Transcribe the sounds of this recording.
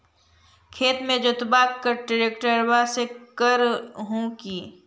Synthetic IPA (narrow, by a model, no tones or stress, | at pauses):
kʰeːt̪mẽd͡ʒʊt̪baːkkːəɾʈɪɾeːkʈəɾbasekəɾɦõkiː